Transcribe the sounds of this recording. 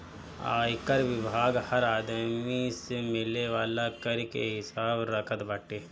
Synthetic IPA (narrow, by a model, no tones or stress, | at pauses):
a̰ːjkəɾʋɪbʱaːɡhɐɾaːd̪misemɪleʋaːlakɐɾkḛɦɪsaːbɾɐkʰət̪bɐʈeː